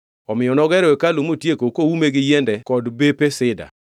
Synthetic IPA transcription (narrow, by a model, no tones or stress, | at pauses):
ɔmɪjɔnɔɡɛɾɔwekalomotjekokoumeɡɪjɛndɛkɔdbepesɪda̰